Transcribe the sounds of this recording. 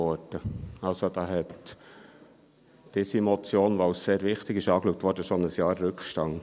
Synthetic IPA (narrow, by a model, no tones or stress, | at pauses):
ɔɾd̥əɑlsod̥ɑɦɛt̪ | d̥ɪsimɔt͡sjoːnʋowsseːɾvɪχt̪ɪɡɪʃɑːkluk̚t̪ʋɔːɾdəʃonəsjɑːɾːʉkχʃtɑŋ